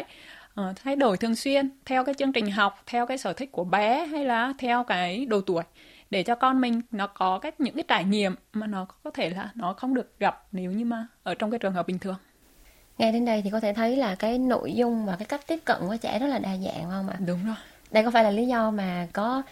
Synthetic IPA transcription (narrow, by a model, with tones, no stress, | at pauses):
jʔəː˨˩t̪ʰa˨˦jɗo˧˩jt̪ʰɨ˨˩əŋswi˧ənt̪ʰɛ˧wkaː˨˦jt͡ɕɨ˧ŋt͡ɕï˨˩ŋ̟ɦa˨˩wk͡p̚t̪ʰɛ˧wkaː˨˦jsəː˧˩t̪ʰï˦˥k̟̚ku˧˩əɓɛ˨˦ɦa˧jlaː˨˩t̪ʰɛ˧wkaː˨˦jɗo˨˩t̪u˧˩əj | ɗe˧˩t͡ɕɔ˧kɔ˧nmï˨˩ŋ̟nɔ˨˦kɔ˨˦kaː˦˥jk̚ɲɨ̰˧˥ŋkaː˨˦jt͡ɕaː˧˩jɲḭ˧˨əmːaː˨˩nɔ˨˦kɔ˨˦t̪ʰe˧˩laː˨˩nɔ˨˦xə˧wŋ͡mɗɨ˨˩ək̚ɣa˨˩p̚ne˨˦wɲɨ˧maː˨˩ʔəː˧˩t͡ɕɔ˧wŋ͡mkaː˨˦t͡ɕɨ˨˩əŋɦə˨˩ɓï˨˩ŋ̟t̪ɨ˨˩əŋ | ŋa˧jɗe˨˧˦nɗə˧jt̪i˨˩kɔ˨˦t̪ʰe˧˩t̪ʰə˨˦jlaː˨˩kaː˨˦jno̰˧˨jzʊ˧ŋ͡mvaː˨˩kaː˨˦jka˦˥jk̚t̪i˦˥əp̚kə̰˧˨nku˧˩t͡ɕɛ̰˧˩zɔ˦˥t̚laː˨˩ɗaː˨˩za̰ː˧˨nhə˧wŋ͡mʔa̰ː˧˩ɗʊ˨˦ŋ͡mzo˨˩j | ɗə˧jkɔ˨˦faː˧˩jlaː˨˩li˨˦zɔ˧maː˨˩kɔ˨˦